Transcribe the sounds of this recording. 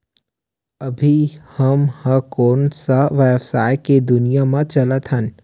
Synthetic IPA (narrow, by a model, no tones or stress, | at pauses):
ɐbʱihəmhəkoːnsaʋeːbsaːɪked̪ʊnijamãt͡ʃɐlət̪ɦən